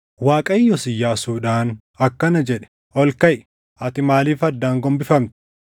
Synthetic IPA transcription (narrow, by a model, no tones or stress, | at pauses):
waːkʼɐjɪjɔsɪjːaːsuːᶑaːn | ɐkːɐnɐd͡ʒɛᶑɛ̥ | ʔɔlkɐʔ | ɐt̪ɪmaːliːfɐd̪ːaːŋɡɔmbɪfɐmt̪ɪ̥